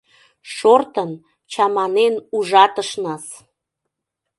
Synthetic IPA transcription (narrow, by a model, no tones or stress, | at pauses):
ʃort̪ən | t͡ɕɑmɑnenuʒɑt̪əʃnɑs